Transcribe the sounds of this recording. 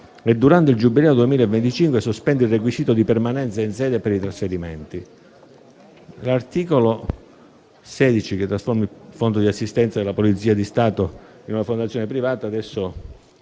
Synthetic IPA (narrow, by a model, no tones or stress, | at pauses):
ed̪ːuɾant̪eɪild͡ʒubilɛːod̪uemiːlaevːent̪it͡ʃiŋkwesospɛnd̪eilrek̬wisiːt̪od̪ipermanɛnt̪sainsɛːd̪epeɾit̪ɾasfeɾimeɛnt̪i | lart̪iːkolo | sɛːd̪it͡ʃik̟et̪ːɾasformifond̪od̪iasːist̪ɛnt̪sad̪elːapolit̪siːad̪ist̪aːt̪o | inunafond̪at̪sːjonepɾivaːt̪aːd̪ɛsːo